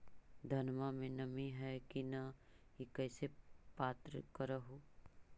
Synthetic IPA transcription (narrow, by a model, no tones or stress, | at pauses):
d̪ʱɐnmamẽnɐmĩɦɛkina | ekɛːsepaːt̪ɾə̰kəɾəɦo